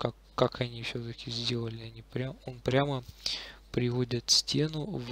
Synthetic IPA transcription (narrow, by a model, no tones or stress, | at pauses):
kakːakʰɐnʲifsʲɵt̪əkʲɪzʲdʲe̞lˠəlʲɪɐnʲipɾʲamonpɾʲaməpɾʲɪvo̞dʲɪt̪sʲtʲe̞nʊv